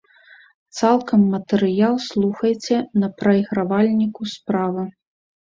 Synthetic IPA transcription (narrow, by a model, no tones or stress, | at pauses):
t̪salˠkʰɐmːɐt̪ɛɾɨjalˠslˠuxɐjt͡sʲɛnɐpɾɐjɣɾavalʲnʲikuspɾavɨ